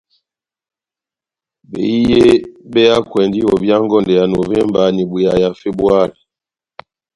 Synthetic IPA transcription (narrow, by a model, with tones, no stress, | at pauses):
bḛ˨i˦je˦be˦ja˦kwɛ˨ndi˦ɔ˨bja˦ŋ˦ɡɔ˦˨ndɛ˨ja˨no˨vɛ˦mba˨˦ni˨bu˨ja˨ja˨fe˦bu˦a˦˨li˨